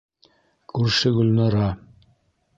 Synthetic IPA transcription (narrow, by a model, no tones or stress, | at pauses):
kʰʉɾʃɘɡɵlnɑɾɑ